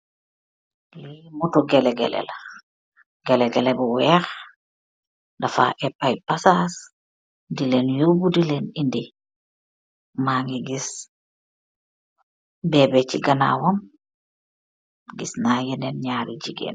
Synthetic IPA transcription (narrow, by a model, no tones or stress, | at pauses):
limɔtɔɡɛlɛɡɛ̰lɛ̰la | ɡɛlɛɡɛlɛbɔwɛɾ | dafa̰ʔɛpːajpasas | dilɛnjobudilɛnindi | maŋɡiɡis | bɛbɛt͡ʃiɡana̰wam | ɡisnajɛnɛnɲaːɾid͡ʒiɡɛ̰n